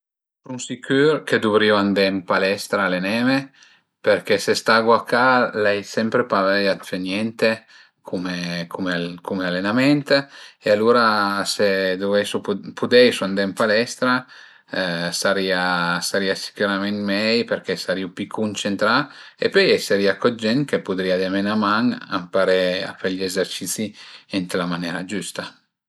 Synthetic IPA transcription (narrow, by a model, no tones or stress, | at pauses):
sunsikyɾked̪uvɾiuand̪ɛmpalɛst̪ɾalenɛːme | peɾkesest̪aɡwakalɛjsɛmpɾepavɛjat̪fenjɛnt̪e | kʰumekʰumekumealenamɛnt̪ealuɾased̪uvɛsupʰud̪ɛjsuand̪empalɛst̪ɾa | saɾiːasaɾiːasi̥kuɾamɛnmɛjperk̟esaɾiupikʰːunt͡ʃent̪ɾaepːøjɛseɾiakɔd͡ʒɛnkepud̪ɾiad̪emenamaŋa̰mpaɾea̰pːeʎːiezert͡ʃit̪siɛnt̪elamanjɛːɾad͡ʒust̪a